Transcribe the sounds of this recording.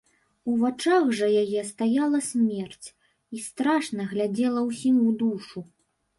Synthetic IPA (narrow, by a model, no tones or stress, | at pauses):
uvat͡ʂaɣʐɐjajɛst̪ajalˠɐsʲmʲɛrt͡sʲ | ist̪ɾaʂnɐɣlʲad͡zʲɛlˠɐwsʲimʲud̪uʂu